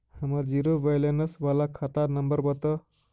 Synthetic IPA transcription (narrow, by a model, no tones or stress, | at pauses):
həmaɾd͡ʒiɾoʋəjlenəsʋalakʰat̪aɾnəmbəɾbət̪ə